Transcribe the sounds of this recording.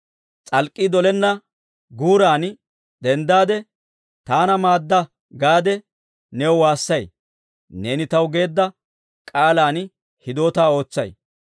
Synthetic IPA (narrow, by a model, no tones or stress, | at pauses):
t͡sʼɐlkʼːid̪ɔlɛnːɐ | ɡuːɾaːn | d̪ɛnd̪aːd̪ɛ | t̪aːnɐmaːd̪ːɐ | ɡaːd̪ɛ | nɛwwaːsːɐj | ne̞ːnɪt̪ɐwɡe̞ːd̪ːɐ | kʼaːlaːn | hɪd̪oːt̪aːo̞ːt͡sːɐj